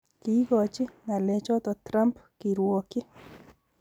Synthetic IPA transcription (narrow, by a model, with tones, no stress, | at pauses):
ki˨˦ɡɔ˨t͡ʃɪ˦ŋa˨lɛ˨t͡ʃɔ˦t̪ɔ˨t̪ɾa˦mpki˨ɾwo˨kɪ˦